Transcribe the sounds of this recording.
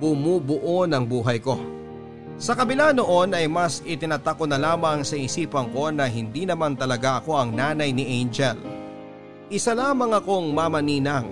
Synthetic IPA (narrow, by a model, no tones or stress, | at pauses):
bʊmubʊʔonɐŋbuːɦɐjko̞ | sɐkɐbɪlano̞ʔo̞nɐjmɐsɪt̪ɪnat̪akonɐlaːmɐŋsɐisiːpɐŋko̞nɐɦɪnd̪iːnɐmant̪ɐlɐɡaʔɐko̞ʔɐŋnaːnɐjnɪʔejnd͡ʒɛl | ʔɪsɐlaːmɐŋɐko̞ŋmamɐniːnɐŋ